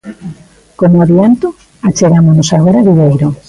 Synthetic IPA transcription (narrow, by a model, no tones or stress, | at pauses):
konoaβjant̪o | at͡ʃeɣamonosaɣ̞oɾaβiβejɾo